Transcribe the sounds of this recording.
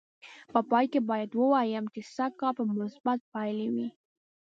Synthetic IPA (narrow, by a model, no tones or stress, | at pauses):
pəpɑjkebɑjad̪wəwajəmt͡ʃesakɑpəmʊsbat̪̚pajlewi